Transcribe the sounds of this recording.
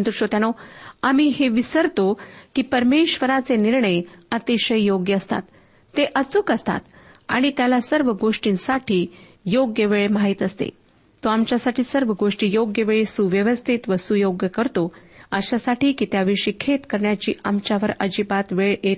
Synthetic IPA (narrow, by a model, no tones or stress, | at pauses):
ənt̪ɾuʂot̪janoam̤iːɦeʋisəɾt̪okiːpəɾmeɕʋəɾat͡seniɾɳəjət̪iɕəjjoɡjəəst̪a̰t̪ː | eʔət͡sukəst̪a̰t̪a̰ɽ̃it̪jalasəɾʋəɡoʂʈinsaʈʰiː | joɡjəʋeɭemaɦiːt̪əst̪ḛ | t̪oamt͡ɕjasaʈʰiːsəɾʋəɡoʂʈiːjoɡjəʋeɭesuʋjəʋəst̪ʰit̪ʋəsujoɡjəkəɾt̪oəɕasaʈiːkiːt̪jaʋiɾʂiːkʰet̪kəɾɳjat͡ɕḭːʔamt͡ɕjaʋəɾəd͡ʑiːbat̪ʋeɭjet̪